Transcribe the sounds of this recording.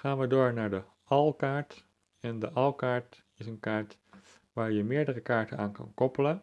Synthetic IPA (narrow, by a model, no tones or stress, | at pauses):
χaːnʋədoːɹnaːɹdə | ɑlˠkaːɹt | ɛndəʔɑlˠkaːɹt | ɪsənkaːɹt | ʋaːɹjəmɪːɹdərəkaːɹtənaːnkɑ̰nkɔpələn